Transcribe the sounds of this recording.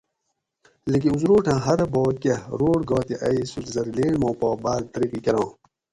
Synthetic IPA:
lek̬ĩuzɾoːʈʰãːɦɐɾboːkɐɾoːɽɡaːt̪iʔɐisulzɐɾileːɳmõːpoːbaːd̪̚t̪ɐɾiqikɐɾãː

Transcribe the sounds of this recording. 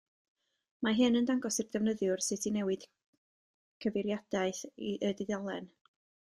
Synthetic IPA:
maɦɨnəndaŋɡɔsirdɛvnəðjʊrsɨtʰinɛwɪd̥ | kʰəvɪɾjad̥aɨθiʔədɪðalˠɛn

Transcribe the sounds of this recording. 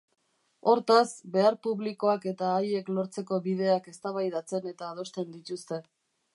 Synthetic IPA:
o̞ɾt̪asbe̞aɾpuβliko̞ake̞t̪aːje̞klo̞ɾt͡se̞ko̞βið̞e̞ake̞st̪aβajðat͡se̞ne̞t̪aːð̞o̞st̪e̞nd̪it̪ust̪e̞

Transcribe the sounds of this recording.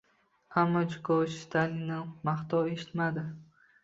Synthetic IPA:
amːɒt͡ʃkʰɒʃt̪alɪnɪmaχt̪ɒweʃɪ̥t̪mad̪ɪ

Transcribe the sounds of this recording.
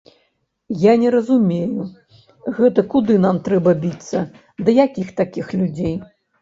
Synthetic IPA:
janʲɛɾɐzumʲeju | ɣɛt̪ɐkud̪ɨnamt̪ɾɛbɐbʲit̪sːɐ | d̪ɐjakʲixt̪akʲixlʲud͡zʲej

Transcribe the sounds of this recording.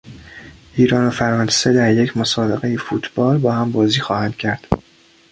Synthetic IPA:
ʔiːɾɒːnofæɾɒnsed̪æɾje̞cʰmosɒːbe̞ɣejefuːt̪ʰb̥ɒːlbɒːhæmbɒːziːxɒːhænd̪̥̚cʰæɾd̪̥

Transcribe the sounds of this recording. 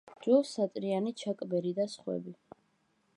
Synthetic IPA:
d͡ʒɔsat̪ʼɾianit͡ʃʰakʼbɛɾid̪asχwɛ̰bi

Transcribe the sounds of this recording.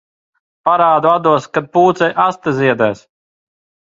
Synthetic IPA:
paɾaːd̪uad̪uɔskad̪̚puːt̪sɛjʔast̪azʲiɛd̪ɛjs

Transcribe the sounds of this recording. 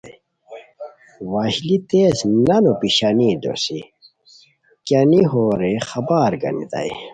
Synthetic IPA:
wɐɕlit̪eːsnɐnopiɕaniːd̪o̰si | kɐniɦoːɾexɐbaːɾɡɐ̰nḭt̪ɐ̰i

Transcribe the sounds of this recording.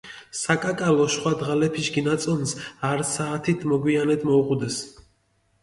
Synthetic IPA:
sakʼakʼalɔʃχwad̪ʁalɛpʰiʃɡinat̪sʼɔnsaɾsaːt̪ʰit̪ʰmɔɡwianɛd̪mɔuqʼud̪ɛs

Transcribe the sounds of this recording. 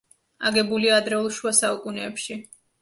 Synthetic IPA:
a̰ɡɛbuliaːd̪ɾɛulˠʃuasaukʼunɛːpʃi

